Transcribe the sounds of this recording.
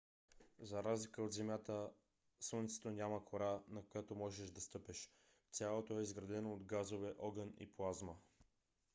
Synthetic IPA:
zɐɾazlikəod̪zɛmʲjat̪ə | sənit̪sɛ̥t̪onʲaməkoɾanɐkojat̪omɔʒɛʃd̪ɐst̪ɤpɛʃ | t̪sʲjalˠot̪oɛizɡɾɐd̪ɛnoːd̪ɡazovɛʔɔɡənḭplˠazmə

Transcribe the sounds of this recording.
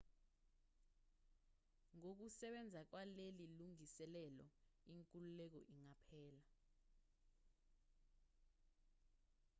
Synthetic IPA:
ŋok̬usɛɓɛnd͡zʱak̬waleliluŋisɛlɛlɔiŋkʼululɛk̬ɔʔiŋapʰɛːla

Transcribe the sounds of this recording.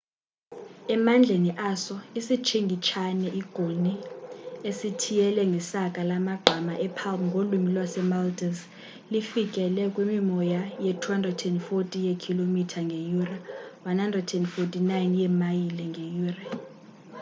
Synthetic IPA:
ɛmand͡ɮʱeniʔasɔisit͡ʃʰeŋɡʱit͡ʃʰanɛʔiɡ̥ʱoni | esitʰijɛlɛŋɡʱɛsakʼalamaɡ͡ǃʱamaʔɛpʰalmŋɡʱolumilwasɛmaltʼɛns | lifik̬ʼɛlɛkʼwimimɔjajetʰuhandrɛdɛndfotʼijekʰilomitʰaŋɡʱejurawanhandrɛdɛndfotʼinajnjɛmajilɛŋɡʱejuːra

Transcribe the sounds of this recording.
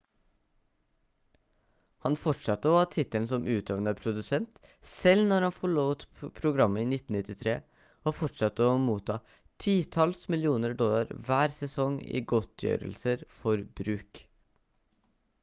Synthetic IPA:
hɑnfɔʈʂɑt̪ːəɔːɑt̪ʰɪt̪əlnsɔmʔʉːt̪ʰøːʋnəpʰɾʊd̪ʉsɛnt̪ | sɛlnɔɾhɑnfɔɭoːt̪pʰɾʊɡɾɑmːəiːnɪt̪ːn̩ɪt̪ːɪt̪ʰɾeː | oːfɔʈʂɑt̪ːəoːmuːt̪ʰːɑː | t̪ʰiːt̪ʰɑlsmɪlɪuːnəɾɖɔlːɑɾʋæːɾsɛsɔŋḭːɡɔt̪ʰjø̰ːɾə̰lsəɾfɔɾbɾʉːk

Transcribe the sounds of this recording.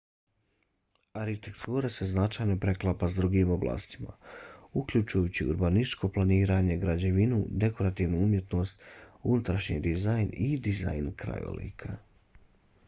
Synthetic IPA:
aɾhit̪e̞kt̪ʰuːɾase̞znat͡ʃaːjno̞pɾe̞klˠapasd̪ɾuɡimoblˠa̰ːst̪i̥ma̰ukʎut͡ʃujut͡ɕiṵɾbanit͡ʃko̞plˠaniːɾaɲe̞ɡɾad͡ʑe̞ʋinud̪e̞ko̞ɾat̪iːʋnuumje̞t̪no̞ːst̪unut̪ɾaʃɲḭd̪izajnid̪iza̰jnkɾa̰jo̰lḭːkʰa

